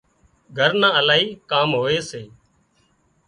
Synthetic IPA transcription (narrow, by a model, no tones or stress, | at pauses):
ɡʱəɾnãːəlaːɦiːkaːmɦoːeːseː